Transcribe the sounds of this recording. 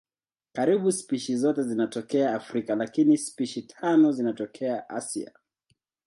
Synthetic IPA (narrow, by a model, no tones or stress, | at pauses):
kaɾiɓuspiʃizɔtɛzinatɔkɛaːfɾikalakinispiʃitʰanɔzinatɔkʰɛaʔa̰sḭa̰